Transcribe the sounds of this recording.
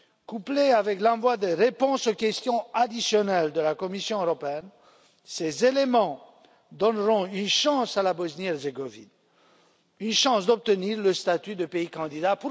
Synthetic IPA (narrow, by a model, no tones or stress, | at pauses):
kupleavɛklɑ̃vwad̪eʁepɔ̃sokʲɛst̪jɔ̃ad̪isjɔnɛld̪əlakɔmisjɔ̃øʁɔpeɛn | sezelemɑ̃ | d̪ɔnʁɔ̃ynʃɑ̃salabɔznjɛʁzeɡɔvḭn | ynʃɑ̃sd̪ɔb̚t̪əniʁləst̪at̪yd̪əpeikɑ̃d̪id̪apu